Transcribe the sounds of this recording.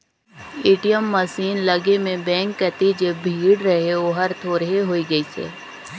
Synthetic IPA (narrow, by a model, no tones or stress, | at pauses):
eːʈijəmːəsiːnləɡemẽbɛ̃ːŋkːət̪id͡ʒebʱiːɽɾəɦeoːɦəɾt̪ʰoːɾɦeɦoːiɡəisɛ̰ː